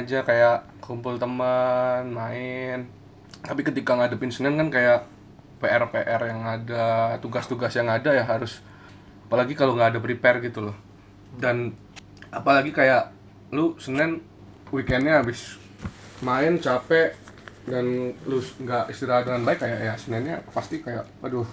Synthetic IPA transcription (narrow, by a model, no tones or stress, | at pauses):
ad͡ʒakajaʔ | kumpʊlt̪əmənmaɪn | t̪apikət̪ikaŋadapɪnsənɛnkankajaʔ | peʔɛrpeʔɛrjaŋadat̪uɡast̪uɡasjaŋadajaɦaɾʊs | apalaɡikaloŋɡaːdapɾipɛrɡit̪ulɔh | dan | apalaɡikajaʔ | lusənɛn | wikɛnɲaːbɪs | maɪnt͡ʃapɛʔdanluŋɡaʔist̪iɾaɦadəŋanbaɪkːajaʔjasənɛnɲapast̪ikajaʔpadʊ